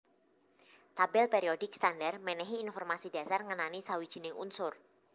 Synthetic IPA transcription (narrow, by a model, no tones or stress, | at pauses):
t̪abɛlpɛɾiod̥ɪk̚st̪andarmɛnɛɦiːnfɔrmasidasarŋənanisawid̥ʒ̥i̤nɪŋʔṵnsʊr